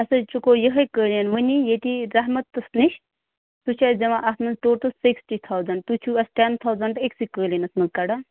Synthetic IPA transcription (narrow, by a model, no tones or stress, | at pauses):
ɐsɐt͡ʃukoːjəɦɐjkəːljɐnʋənijet̪iɾɐɦmɐt̪ːɐsniʃ | t̪ut͡ʃʰad͡ʒɐʋãʔɐsnɐzʈoːʈɐlsiksʈit̪ʰawzɐɳɖ̚t̪ut͡ʃʰuɐsʈent̪ʰawzɐɳɖeksikəːlinɐsmɐzkɐɖa